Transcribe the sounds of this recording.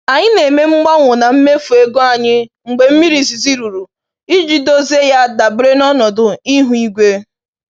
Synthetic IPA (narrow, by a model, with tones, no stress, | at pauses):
a˨ɲɪ˦ne˨me˦m̩˦ɡ͡ba˦ŋʷʊ˨na˨m̩˦me˦fu˨e˦ɡo˦a˨ɲɪ˦ŋ͡m̩˨ɡ͡be˨m̩˦mi˦ɾi˨si˨si˦ɾu˨ɾu˨ | i˦d͡ʒi˦do˦ze˦ja˦˨da˨bɾe˦nɔ˦nɔ˨dʊ˨i˦ɦu˨i˦ɡʷe˦